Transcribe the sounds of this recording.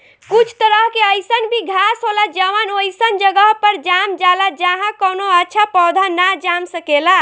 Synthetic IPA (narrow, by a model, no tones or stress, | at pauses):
kut͡ʃʰt̪əɾəɦkeəjsənbʱiɡʱasɦolad͡ʒəʋənojsənd͡ʒəɡəɦpəɾd͡ʒamd͡ʒalad͡ʒaɦãkənoətːʃʰapɔd̪ʱanad͡ʒamsəkela